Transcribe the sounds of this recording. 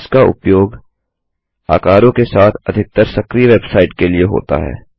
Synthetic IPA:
skaʊ̰pjoːɡ | a̰ːkaːɾõkesaːt̪ʰɐd̪ʱɪk̚t̪əɾsɐkɾiʋeːbsaːɪʈkelieɦo̰ːt̪a̰ɦɛ̰ː

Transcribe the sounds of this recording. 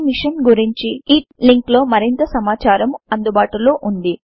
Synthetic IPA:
miʂɐnɡuɾiɲt͡ʃiiːliŋklo̞ːmɐɾint̪ɐsɐmaːt͡ʃaːɾɐmɐnd̪ubaːʈulo̞ːʔund̪i

